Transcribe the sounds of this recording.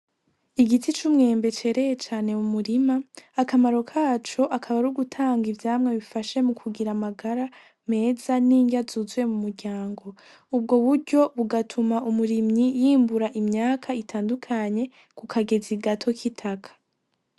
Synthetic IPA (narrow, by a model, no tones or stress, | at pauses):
iɡitʰit͡ʃumŋe̞ːmbe̞t͡ʃe̞ːɾe̞je̞t͡ʃaːne̞umuɾimaːkamaɾo̞kʰaːt͡ʃo̞ʔakʰaβaɾuɡutʰaːŋɡivjaːmŋeβifaʃe̞mukʰuɡiɾamaɡaɾa | me̞ːzaniːɲɟazuzwe̞mumuɾɟaːŋɡo̞ | ub̚ɡo̞βuɾɟo̞βuɡatʰumaʔumuɾimɲijiːmbuɾaʔimɲaːkʰaitʰaːndukʰaɲe̞ | kukʰaɡe̞ziɡatʰo̞kʰitʰakʰḁ